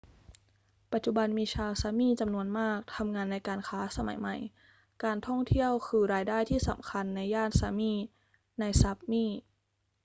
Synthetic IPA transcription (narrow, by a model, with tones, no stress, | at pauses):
pa˨˩t̪̚t͡ɕu˧˩ba˧nmiː˧t͡ɕʰaː˧wsaː˧miː˥˩t͡ɕa˧mnu˧ənmaː˥˩k̚t̪ʰa˧mŋaː˧nːa˧jkaː˧nkʰaː˦˥sa˧ma̰˨˩˦jma˨˩j | kaː˧nt̪ʰɔ˥˩ŋt̪ʰi˥˩əwkʰɯː˧ɾaː˧jdaː˥˩jt̪ʰiː˥˩sa̰˩˦mkʰa˧nːa˧jːaː˥˩nsaː˧miː˥˩ | na˧jsa˦˥p̚miː˥˩